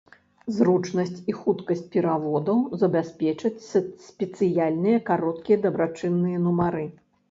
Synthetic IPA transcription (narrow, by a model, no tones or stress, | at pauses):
zrut͡ʂnɐsʲt͡sʲixut̪kɐsʲt͡sʲpʲɛɾavɔd̪ɐwzɐbʲasʲpʲɛt͡ʂɐt͡sʲsʲpʲɛt̪sɨjalʲnɨjɐkaɾɔt̪kʲijɐd̪ɐbɾat͡ʂɨnːɨjɐnumaɾɨ